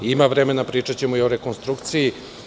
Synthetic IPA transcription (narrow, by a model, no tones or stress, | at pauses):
imaʋɾemenapɾiːt͡ʂat͡ɕemujioɾe̞ko̞nst̪ɾukt̪siji